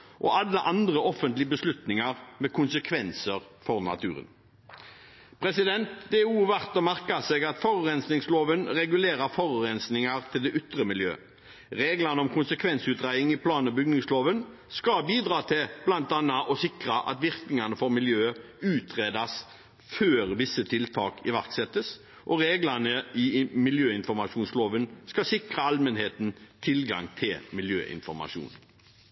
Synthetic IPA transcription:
ʔɔʔɑlːəʔɑnd̪ʁəɔfːənt̪lɪəbəslʉt̪nɪŋɑɾmɛkʰʊnsəkʰʋɛnsəɾfɔɾnɑ̰t̪ʰʉ̰ːɾə̰n | pʰɾɛsɪd̪ɛnt̪d̪eːuːʋæʁt̪ɔmæʁkɑseːɡɑt̪fɔʁʉʁɛnsnɪŋsloːʋənʁɛɡʉleːɾɑɾfɔʁʉɾɛnsnɪŋɑɾt̪ʰɪld̪ɛʔʏt̪ʁəmɪljø̰ː | ʁeːɡlɑnəɔmkʰʊnsəkʰʋɛnsʉːt̪ʁæɪɪŋɪpʰlɑːnəbʏɡnɪŋsloːʋən | skɑbiːd̪ʁɑːt̪ʰɪb̥lɑnt̪ɑnːɑʔɔsɪkʁɑʔɑ̰t̪ʋɪʁknɪŋɑnəfɔɾmɪljøːʉːt̪ʰʁeːd̪ɑs | føːɾʋɪsːət̪ʰɪlt̪ʰɑːkɪʋæʁksɛt̪ːəs | ʔɔʁeːɡlɑnəɪmɪljøːɪnfɔɾmɑʂuːnsloːʋənskɑsɪkʁəɑlmənheːt̪n̩t̪ʰɪlɡɑ̰ŋt̪ʰɪlmɪljø̰ːʔɪ̰nfɔʁmɑ̰ʂṵːn

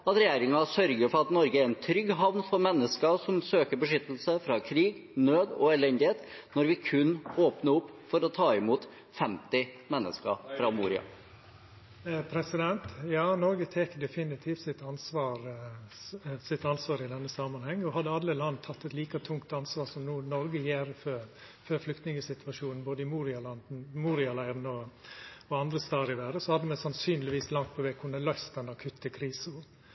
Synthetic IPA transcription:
ɑt̪ɾɛjæːɾɪŋɑsœɾɡəɾfɔɾɑt̪nɔɾɡəæɾɛnt̪ʰɾʏɡːɦɑʋnfɔɾmɛnːəskəsɔmsøːkəɾbəʂʏt̪ːəl̩səfɾɑːkʰɾiːɡnøːd̪ɔ̰ɛlɛnd̪ɪheːt̪nɔɾʋɪkʰʉnːoːpnəʊpːfɔɾɔt̪ʰɑːɪmuːt̪ | fɛmt̪ɪmɛnːə̰skə̰fɾɑmuːɾɪ̰ɑ̰ | pʰɾɛsɪd̪ɛnt̪jɑːnɔɾɡət̪ʰeːkd̪ɛfɪnɪt̪ʰiːft̪sɪt̪ɑnsʋɑːɾ | sɪt̪ɑnsʋɑːɾɪd̪ɛnːəsɑːmɑnhɛŋːɔɦɑd̪ːəɑlːəlɑnːt̪ʰɑt̪ːɛt̪liːkət̪ʰːʊŋkt̪ɑnsʋɑːɾsɔmnuːnɔɾɡəjeːɾfø | føːɾflʏkt̪nɪŋəsɪt̪ʋɑʂuːnn̩boːd̪əɪmuːɾɪɑlɑnd̪n̩muːɾɪɑlæɪɾnɔ | ɔɑnd̪ɾəst̪ɑːɾɪʋæːɾəsɔhɑd̪ːəmɛsɑnsyːnlɪʋiːslɑŋt̪̚pʰɔʋɛːkʰʊnəlœʏst̪̚d̪ɛnːɑkʰʉt̪ʰːəkʰɾiːsʊ

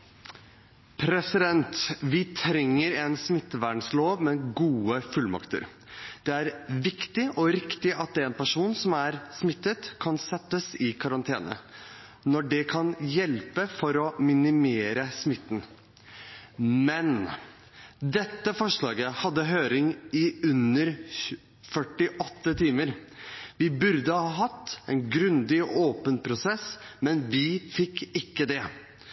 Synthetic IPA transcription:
pʰɾɛsɪd̪ɛnt̪ʋɪt̪ʰɾɛŋːəɾɛnsmɪt̪ːəʋæːɳsloːʋmɛɡuːəfʉlːmɑ̰kt̪ə̰ɾ | d̪̥ɛæɾʋɪkt̪ɪʔɔɾɪkt̪ɪɑt̪̚d̪ɛɛːnpæʂuːnsɔmæɾsmɪt̪ːət̪kʰɑnsɛt̪ːəsɪkʰɑɾɑnt̪ʰeːnə̰ | nɔɖɛkʰɑnjɛlpəfɔɾɔmɪnɪmeːɾəsmɪt̪ːn̩ | mɛn | d̪ɛt̪ːəfɔʂɭɑːɡəhɑd̪ːəɦøːɾɪŋɪʉnːəɾ | fœʈːɪʔɔt̪ːət̪ʰiːməɾʋɪbʉɾd̪əhɑːɦɑt̪ːɛnɡɾʉnd̪ɪɔʔoːpənpʰɾʊsɛsmɛnʋɪfɪkːɪkːəd̪ɛ

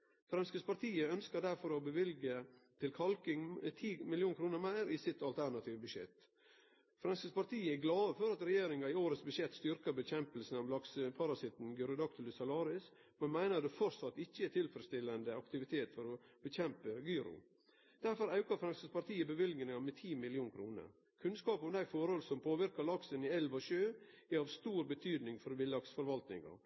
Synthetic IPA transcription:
fɾɑnskəspɑɾt̪ʰiːəœnskəɾd̪æɾfɔɾɔbəʋɪlɡət̪ʰɪlkʰɑlkɪŋt̪ʰiːmɪlɪuːnkʰɾuːnəɾmæɪɾɪsɪt̪ɑlt̪ʰæɾɳɑt̪ʰiːʋəbʉʂjɛ̰t̪ | fɾɑnskəspɑɾt̪ʰiːəæɡlɑːəfɔɾɑt̪ɾɛjeːɾɪŋɑɪoːɾət̪sbʉjɛt̪ːst̪ʏɾkəbəçɛmpəlsn̩ɑʋlɑkspʰɑɾɑsɪt̪n̩ɡʉːɾʊd̪ɑkt̪lɪsɑlɑːɾɪs | mɛnmæɪnəɾd̪ɛfɔɾsɑt̪ːɪçːəɛt̪ʰɪlfəɾəst̪ɪlːənd̪əɑkt̪ɪʋɪt̪ʰeːt̪fɔɾɔb̥əçɛmpəɡyːɾʊ̰ | d̪̥æɾfɔɾɑʉkɑɾfɾɑnsəspɑɾt̪iːəbəʋɪlɡnəɑmɛt̪ʰiːmɪlɪuːnkʰɾuːnə̰ɾ | kʰʉnskɑːpɔmd̪æɪfɔɾhɔlsɔmpʰoːʋɪɾkɑɾlɑksənɪɛlʋɔʃøːæɑʋst̪uːɾbət̪ʰyːd̪nɪŋfɔɾʋɪlɑksfɔɾʋɑlt̪nɪ̰ŋɑ̰

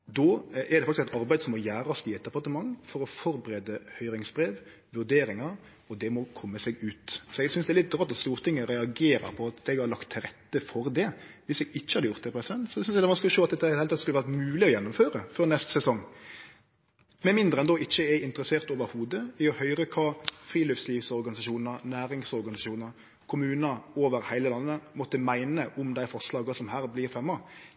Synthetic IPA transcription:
d̪oɛd̪ɛfɑkt̪sɛt̪ɑɾbæɪd̪sɔmːɔjæːɾɑst̪iːɛt̪ɑpɑʁt̪əmɑŋːfɔɾɔfɔɾbəɾeːd̪əhœʏɾɪŋsbɾeːʋ | ʋʉɾd̪eːɾɪŋɑɾ | ɔd̪ɛmɔkʰɔmːəsɛɡʉːt̪sɔɛɡsʏnsd̪ɛlɪt̪̚d̪ɾɑːt̪ɔt̪st̪uːɾt̪ʰɪŋːəɾɛɑɡeːɾə̰ɾpʰɔɑt̪ɛɡhɑɾlɑkt̪ʰːɪɾɛt̪ːəfɔɾd̪ɛʋɪsɛɡɪçːəhɑd̪əjʊɾt̪̚d̪ɛpʰɾɛsɪd̪ɛnt̪sɔdsʏnsɛd̪ɛʋɑnsklʃoːɑt̪̚d̪ɛt̪ːhɑɾɪhelʰɑt̪skʉləʋæʁt̪mʉːlɪɔjɛnːʊmføːɾəfɔɾnɛst̪sɛsɔŋ | mɛnmɪnd̪ɾəɛnd̪ɔɪçːəæɪnt̪əɾəseːʁt̪oːʋəɾhuːd̪əɪɔhœʏɾəkʰɑːfɾiːløːfsliːʋsɔɾɡɑnɪsɑʃuːnɑɾnæːɾɪŋsɔɾɡɑnɪsɑʃuːnəɾ | kʰʊmʉːnɑoːʋəɾhæɪləlɑnːəmɔt̪ːəmæɪnəʔʊmd̪æɪfɑʂlɑːɡɑsɔmhæːɾblɪɾfɛmːɑ

